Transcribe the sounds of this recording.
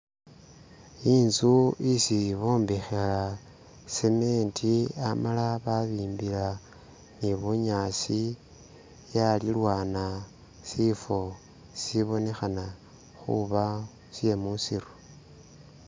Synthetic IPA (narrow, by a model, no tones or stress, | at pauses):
iːnzuisiβo̞ːmbexela | seme̞ːntʰiamalaβaβiːmbila | niβuɲasi | jalilwaːna | sifo̞ | siβo̞ne̞xana | xṵβa | sje̞musiɾu